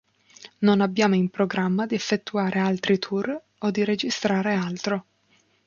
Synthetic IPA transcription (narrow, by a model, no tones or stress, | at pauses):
nonabːjaːmoimpɾoɡɾamːad̪iɛfːet̪ːuaːɾʔealt̪ɾit̪ʰur | od̪ːiɾed͡ʒist̪ɾaːɾealt̪ɾo